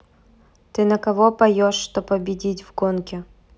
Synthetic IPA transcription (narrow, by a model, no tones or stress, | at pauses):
t̪ɨnɐkɐvopɐjoʂːt̪opːɐbʲɪdʲitʲvɡonkʲɪ